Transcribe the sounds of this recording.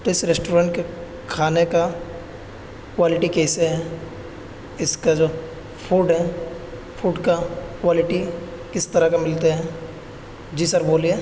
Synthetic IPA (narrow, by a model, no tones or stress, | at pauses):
t̪oɪsɾesʈoːɾə̃ɳʈke | kʰaːneka | kʋaːlɪʈikeːseɦɛ | ɪskad͡ʒoː | pʰuːɖɦɛ | fʰuːɖkakʋaːlɪʈi | kɪst̪ɐɾakamɪlt̪eɦɛ̃ | d͡ʒisɐɾboːlie